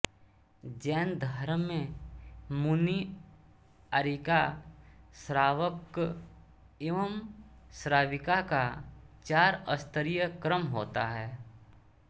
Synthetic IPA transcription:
d͡ʒɛːnd̪ʱaːɾəmẽ | muni | əɾika | sɾaːʋək | ɪʋəmsɾaːʋɪkakat͡ʃaːɾəst̪əɾijəkɾəmɦoːt̪aɦɛː

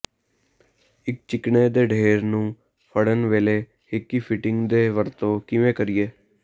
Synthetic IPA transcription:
ɪk̚t͡ʃɪkneːd̪eːɖʱeːɾnũː | pʰəɽənʋeːleː | hɪkːiːpʰɪʈɪŋɡd̪eːʋəɾt̪õːkɪʋẽːkəɾɪːeː

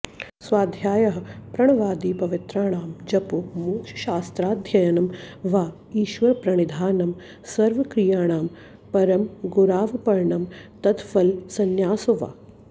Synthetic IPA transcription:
sʋaːd̪ʱjaːjɐɦɐpɾɐɳ̃ɐʋaːd̪iːpɐʋɪt̪ɾaːɳ̃aːmd͡ʒɐpumuːkʃɐ̥ʃaːst̪ɾaːd̪ʱjɐjɐnɐmʋaː | iːʃʋɐɾpɾɐɳ̃id̪ʱaːnɐm | sɐɾʋɐkɾijaːɳ̃aːm | pɐɾɐmɡuɾaːʋpɐɾɳɐmt̪ɐt̪fɐlsɐnjaːsuʋa̰ː

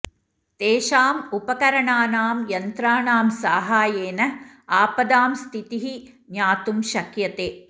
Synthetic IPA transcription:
t̪eːʃaːmupɐkɐɾɐɳaːnaːmjɐnt̪ɾaːɳaːmsaːɦaːjeːnɐ | aːpɐd̪aːmst̪ʰit̪iɦi | ɲjaːt̪umʃɐkjɐt̪eː

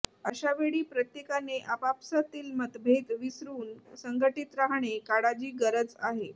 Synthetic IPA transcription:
əɕaʋeɭiːpɾət̪jekaneʔapapsat̪iːlmət̪bʱeɡʋisɾuːnsəŋɡəʈit̪ɾaɦɳ̃ekaɽad͡ʑiːɡəɾət͡saɦe

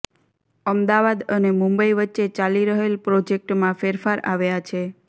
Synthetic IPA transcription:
əmd̪aʋad̪ənemũmbəiʋətːʃet͡ʃaliɾəɦelpɾod͡ʒek̚ʈmãfeɾfaɾa̰ʋjat͡ʃʰe

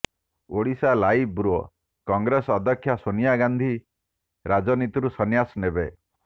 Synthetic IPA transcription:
oɽisalaibɾuɔ | kɔŋɡɾesɔɔd̪ʱɔkʰːjasonijaɡand̪ʱi | ɾad͡ʒɔnit̪iɾusɔnjasɔnebe

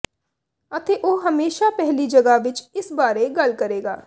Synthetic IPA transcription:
ɐt̪eʔoːɦɐmeːʃapɛɦlid͡ʒɐɡaʋɪt͡ʃɪsbaːɾeɡɐlkɐɾeːɡa̰ː

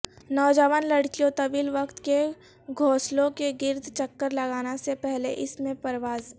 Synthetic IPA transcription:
nɔːd͡ʒəʋənlɐɽkijõt̪ɐʋiːlʋɐkt̪ke | ɡʱoːslõkeɡɪɾd̪ʱt͡ʃɐkːəɾlɐɡaːnasepɛɦlḛʔɪsmẽpɐɾʋaːz

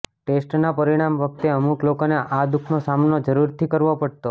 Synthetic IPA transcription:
ʈesʈnapəɾiɽ̃amʋək̚t̪eəmuklokoneʔad̪ukʰnosamnod͡ʒəɾuɾt̪ʰikəɾʋopəɽt̪o

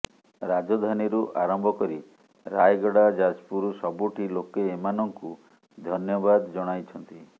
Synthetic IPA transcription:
ɾad͡ʒɔd̪ʱaniɾuʔaɾɔmbʱɔkɔɾi | ɾajɡɔɽad͡ʒad͡ʒpuɾusɔbuʈʰilokeːmanɔŋku | d̪ʱɔnjɔbad̪ɔd͡ʒɔɽ̃ajt͡ʃʰɔnt̪i

